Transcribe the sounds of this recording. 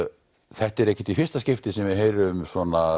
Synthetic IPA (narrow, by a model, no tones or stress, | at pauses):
θɛht̪ɛɾɛhcːɪ̥t̪ifɪrst̪ascɪft̪ɪsɛmvɪðɦeːjɾʏmsvɔːna